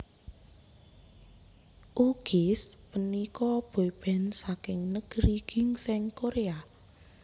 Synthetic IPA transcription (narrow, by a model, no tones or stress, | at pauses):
ʔuɡ̥ɪspənikɔb̥o̤ib̥ɛ̤nsakɪŋnəɡ̥əɾiɡ̥ɪ̤ŋsɪŋkoɾea